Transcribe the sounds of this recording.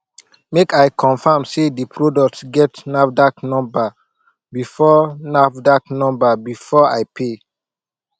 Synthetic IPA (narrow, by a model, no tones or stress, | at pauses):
mekajkʰɔ̃nfamsedipʰɹodɔk̚tsɡɛtnafdaknɔ̃mba | bifɔnafdaknɔ̃mbabifɔajpʰe